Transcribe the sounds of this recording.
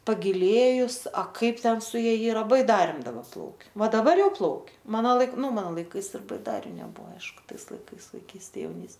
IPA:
pɐɡʲɪˈlʲeːjʊs ɐ ˈkɐɪp ˈtʲɛn sʊ ˈjɛ ˈiːrɐ bɐɪˈdɑːrʲeːm dɐˈbɐ ˈplˠɐʊkʲɛ ˈʋɐ dɐˈbɐr ˈjɛʊ ˈplˠɐʊkʲɛ ˈmɑːnoː ˈlˠɐɪk ˈnʊ ˈmɑːnoː lˠɐɪˈkɐɪs ɪr bɐɪˈdɑːrʲʊ nʲɛˈbʊʋoː ˈɐɪʃkʊ ˈtɐɪs lˠɐɪˈkɐɪs ʋɐɪˈkʲiːsʲtʲeː jɛʊˈnʲiːs

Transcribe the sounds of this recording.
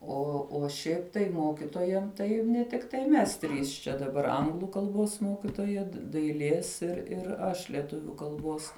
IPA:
ˈoː oː ˈʃʲɛɪp tɐɪ ˈmoːkʲɪtoːjɛm tɐɪ nʲɛ tʲɪkˈtɐɪ ˈmʲɛs ˈtʲrʲiːs t͡ʃʲɛ dɐˈbɐr ˈɐŋɡlˠʊ kɐlˠˈboːs ˈmoːkʲɪtoːjɛ dɐɪˈlʲeːs ɪr ɪr ˈɐʃ lʲiɛˈtʊʋʲʊ kɐlˠˈboːs

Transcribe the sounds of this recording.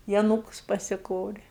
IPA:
ɪ ɐˈnuːkʊs pɐsʲɪˈkoːrʲeː

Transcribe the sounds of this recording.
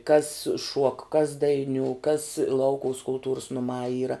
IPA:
kɐs ʃuɔk kɐs dɐɪˈnʲuː kɐs ˈlˠɐʊkʊʋɐs kʊlˠˈtuːrʊs nʊˈmɑː ˈiːrɐ

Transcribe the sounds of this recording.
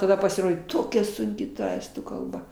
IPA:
tɐˈdɐ pɐsʲɪˈroːdʲeː ˈtoːkʲɛ sʊŋʲˈkʲɪ tɐ ˈæːstuː kɐlˠˈbɐ

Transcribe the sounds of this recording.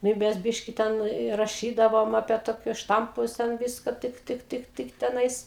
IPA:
nʊ ɪ ˈmʲɛs ˈbʲɪʃʲkʲɪ ˈtʲɛn ɪ rɐˈʃʲiːdɐʋoːm ɐpʲiɛ toːˈkʲʊs ˈʃtɐmpʊs ˈtʲɛn ˈʋʲɪskɐ ˈtɨk ˈtɨk ˈtɨk ˈtɨk tʲɛˈnɐɪs

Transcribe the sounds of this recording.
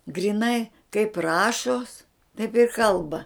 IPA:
ɡrʲiːˈnɐɪ kɐɪp ˈrɑːʃoːs tɐɪp ɪr ˈkɐlˠbɐ

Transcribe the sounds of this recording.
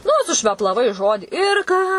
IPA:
nʊ sʊʃʲʋʲɛplˠɐˈʋɐɪ ˈʒoːdʲiː ɪr ˈkɑː

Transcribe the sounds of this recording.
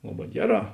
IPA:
ˈlˠɑːˌbɑː ˈɡʲæːˌrɑː

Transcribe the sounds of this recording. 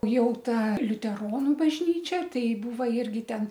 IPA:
ˈjɛʊ ˈtɐ lʲʊtʲɛˈroːnʊ bɐʒʲˈnʲiːt͡ʃʲɛ ˈtɐɪ ˈbuːʋɐ ˈɪrʲɡʲɪ ˈtʲɛn

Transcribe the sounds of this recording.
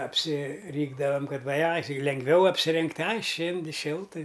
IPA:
ɐpʲsʲɪˈrʲiːɡdɐʋɐm ˈkɐt ʋɐ ˈɐɪ ˈtɐɪ lʲɛŋɡˈʋʲɛʊ ɐpʲsʲɪˈrʲɪŋktʲ ˈɐɪ ˈʃʲeːnʲdʲɪ ˈʃʲɪlˠtɨ

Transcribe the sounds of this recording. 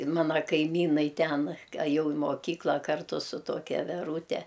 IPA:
ˈmɑːnɐ kɐɪˈmʲiːnɐɪ ˈtʲɛn ɐˈjɛʊ ɪ moːˈkʲiːklˠɐ ˈkɐrtʊ sʊ ˈtoːkʲɛ ʋʲɛˈruːtʲɛ

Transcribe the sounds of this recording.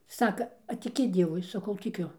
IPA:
ˈsɑːkɐ ɐ tʲɪˈkʲɪ ˈdʲiɛʋʊɪ ˈsɑːkɐʊ tʲɪˈkʲʊ

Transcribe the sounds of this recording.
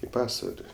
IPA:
ɪ ˈpɑːsʋɐlʲɪ

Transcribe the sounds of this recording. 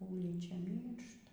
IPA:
ˈuːlʲiːt͡ʃʲɛ ˈmʲiːrʃtɐ

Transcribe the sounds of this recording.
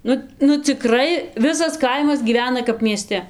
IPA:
ˈnʊ nʊ t͡sʲɪˈkrɐɪ ˈʋʲɪsɐs ˈkɐɪmɐs ɡʲiːˈʋʲæːnɐ kɐp mʲiɛˈsʲtʲɛ

